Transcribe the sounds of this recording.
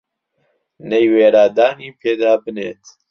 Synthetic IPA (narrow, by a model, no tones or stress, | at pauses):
nejweːɾaːd̪aːniːpʰeːd̪aːbɨnḛːt̪